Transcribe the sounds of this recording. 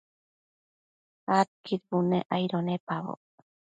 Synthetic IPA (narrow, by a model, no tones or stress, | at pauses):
at̪̚kiɾbuneʔajɾonepaβo̰